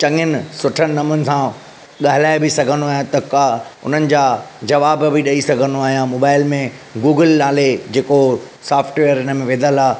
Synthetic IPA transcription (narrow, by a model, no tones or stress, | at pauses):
t͡ɕɐ̃ŋɪnɪsʊʈʰənnɐmʊnɪ̆sã | ɠaɦɪlaːɪbisɐɡʱə̃nd̪oaːɦijãt̪ɐkaʊ̰n̤ənɪ̆d͡ʑaːd͡ʑɐʋaːbbʱɪɗɐisɐɡʱə̃nd̪oaːɦijãmoːbaːɪlmẽ | ɡuːɡəlnaːled͡ʑeːko | saːfʈʋeːəɾɦɪnə̆mẽʋẽːd̪əlaː